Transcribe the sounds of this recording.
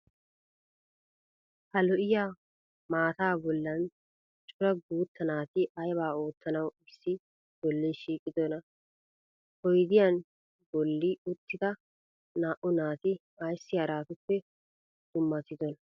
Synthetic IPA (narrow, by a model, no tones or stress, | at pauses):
hɐlɔʔɪjaː | maːt̪aːbɔlːɐn | t͡ʃʼʊɾɐɡuːt̪ʰːɐnaːt̪ɪʔɐjbaːo̞ːt̪ːɐnɐwɪsːɪ | b̥ɔlːiʃiːkʼːɪd̪ɔnɐ | hɔjd̪ɪjan | bɔlːɪʊt̪ʰːɪd̪ɐ | naːʔʊnaːt̪ɪ | ɐjsːɪjɐɾaːt̪ʊpːɛ | d̪̥ʊmːɐt̪ɪd̪ɔnɐ